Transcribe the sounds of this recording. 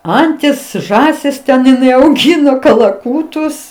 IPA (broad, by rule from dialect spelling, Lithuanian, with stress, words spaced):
ˈɐnʲtʲɪs ˈʒɑːsʲɪs tʲɛn ɪˈnɐɪ ɐʊˈɡʲɪnoː kɐlˠɐˈkuːtʊs